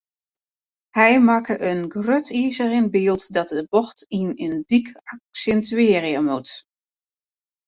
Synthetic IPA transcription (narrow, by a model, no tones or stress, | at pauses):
hɛjmakʰəʔənɡrøtʰiːzəɾɪnbiːlˠtdɔt̚dəbɔxtinəndikaksɛntʰyɪːriəmut